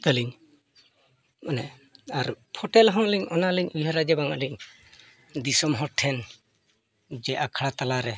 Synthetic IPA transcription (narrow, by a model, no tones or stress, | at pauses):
t̪əliŋ | manɛ | aɾpʰɔʈɛlɦɔ̃liŋɔnaliɲʔujɦaɾad͡ʒɛbaŋa̰ʔliŋ | d̪isɔmɦɔʈʰɛn | d͡ʒɛʔakʰaɽat̪alaɾɛ